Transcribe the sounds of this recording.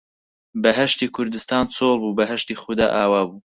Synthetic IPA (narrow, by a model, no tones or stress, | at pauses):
bɐɦɐʃt̪iːkʰʊɾd̪ɨst̪aːnt͡sʰoːlˠbuːbɐɦɐʃt̪iːxʊd̪a̰ːʔaːwaːbuː